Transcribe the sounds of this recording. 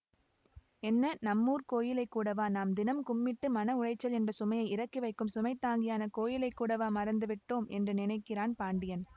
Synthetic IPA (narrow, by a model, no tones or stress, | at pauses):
ɛnːɐnɐmːuːrkoːjɪlɐɪkːuːɽɐʋaːnaːmd̪ɪnɐmkʊmːɪʈːɯmɐnɐʊrɐɪt͡ʃːɐlɛndrɐsʊmɐjɐɪɪɾɐkːiʋɐɪkːɯmsʊmɐɪt̪ːaːŋɡɪjaːnɐkoːjɪlɐɪkːuːɽɐʋaːmɐɾɐnd̪ɯʋɪʈːoːmʔɛ̰ndrɯnɪnɐɪkːɪraːnpaːɳɖɪjɐn